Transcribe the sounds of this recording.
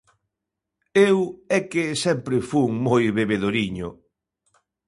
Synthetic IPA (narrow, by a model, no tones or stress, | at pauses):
ewɛkɪsɛmpɾɪfuŋmojβeβeðoɾiɲʊ